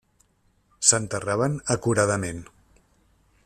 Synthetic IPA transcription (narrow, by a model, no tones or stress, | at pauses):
sənt̪əraβənəkuɾað̞əmen